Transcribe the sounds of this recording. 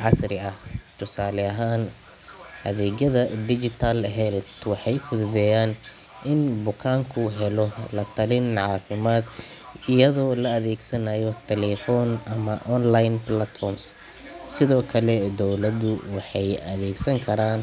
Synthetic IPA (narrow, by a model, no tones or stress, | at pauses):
ʕɑsɾɪɐht̪ʰʊsaːlɛɐɦaːn | hɐðɛːɡɐðɐd̪ɪd͡ʒɪt̪ʰɐlɦɛlt̪wɑħɑjfʊðʊðɛjaːn | ʔɪnbʊkʰaːŋkʰʊɦɛlɔlɐt̪ʰɐlɪnʕɑːfɪmaːd̪ɪjɐðɔːlɐːðɛːɡsɐnajɔt̪ʰɛlɛfɔnɐmɐʔɔnlajnblat̪fɔrms | sɪðɔːkʰɐlɛd̪ɔwlɐd̪ʊwɑħɑjɐðɛːɡsɐŋkʰɐɾaːn